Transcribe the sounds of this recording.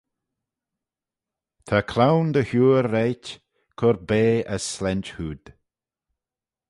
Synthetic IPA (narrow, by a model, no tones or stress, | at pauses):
t̪ʰakʰlawnd̪əhuːɾːɛjt | kʰɔɾbeːəsːlɛnt͡ʃhuːd̪̥